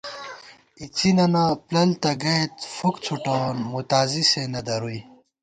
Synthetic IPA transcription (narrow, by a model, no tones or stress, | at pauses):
it͡sʰinɐnaplɐlt̪ɐɡɐet̪fukt͡sʰuʈaːnmut̪aːzisenɐd̪ɐɾuj